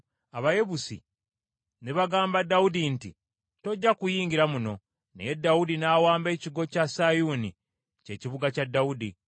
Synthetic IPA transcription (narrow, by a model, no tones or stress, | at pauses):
aβaje̞βusḭ | neβaɡaːmbadːawudinti | to̞ɟːakujiːɲɟiɾamuno̞ | ne̞̰je̞dːawudinaːwaːmbe̞ːciɡo̞casajuːni | ce̞ːciβuɡacadːawudi